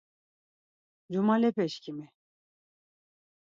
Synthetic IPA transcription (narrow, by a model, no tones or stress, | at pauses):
d͡ʒumalɛpɛʃkʰimi